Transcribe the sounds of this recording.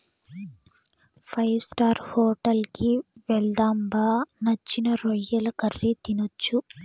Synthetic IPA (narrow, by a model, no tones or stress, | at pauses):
pʰɐjʋsʈaːɾhoːʈɐlkiʋɛld̪aːmbaːnɐt͡ʃːinɐɾɔjːɐlɐkɐrːit̪inot͡ʃːu